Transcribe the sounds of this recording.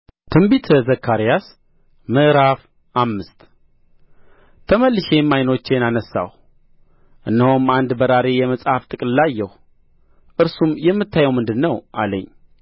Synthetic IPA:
t̪ʰɨmbit̪ʰəzəkʰːaɾijas | mɨʔɾaf | ʔamːɨst̪ | t̪ʰəməlːɨʃemajno̞t͡ʃːenanəsːa̰h | ʔɨnːəhomand̪bəɾaɾe̞jɛməsʼhaft̪ʼɨkʼnlajːɛh | ʔɨɾsumjɛmːɨt̪ʰːajɛwmɨnd̪ɨnːəwʔalə̰ɲː

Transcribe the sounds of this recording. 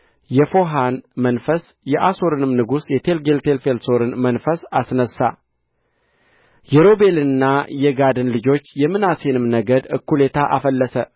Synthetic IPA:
jɛfo̞ɦanmənfəs | jɛʔaso̞ɾɨnɨmnɨɡusjɛt̪ʰelɡe̞lt̪ʰe̞lfe̞lso̞ɾɨnmənfəsasnəsːa̰ | jɛɾo̞be̞lɨnːajɛɡad̪ɨnlɨd͡ʒo̞t͡ʃːjɛmːɨnase̞nɨmnəɡəd̪ɨkːule̞t̪ʰaʔafəlːəsə

